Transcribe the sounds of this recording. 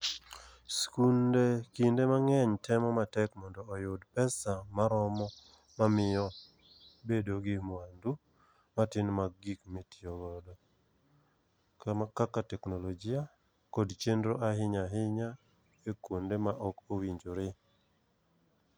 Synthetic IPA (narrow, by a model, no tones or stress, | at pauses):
skundekindemaŋɛɲtɛmɔmatɛkmɔndɔːjʊdpɛsamaɾɔmɔ | mamɪɔ | bedoɡɪmwandu | matɪnmaɡikmetiɔɡɔdɔ | kamakakːatɛknolɔd͡ʒɪa | kodt͡ʃendɾoʔaɦɪɲaɦɪɲa | ekwondemaʔɔkowiɲd͡ʒoɾɪ